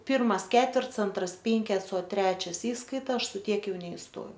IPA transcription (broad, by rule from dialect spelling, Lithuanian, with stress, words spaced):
ˈpʲɪrmɐs ˈkʲæːtʲʋʲɛrts ˈɐntrɐs ˈpʲɪŋʲkʲɛts oː ˈtʲrʲæːt͡ʃʲɛs ˈiːskɐɪtɐ ˈɐʃ sʊ ˈtʲiɛk ˈjɛʊ nʲɛɪsˈtoːjɛʊ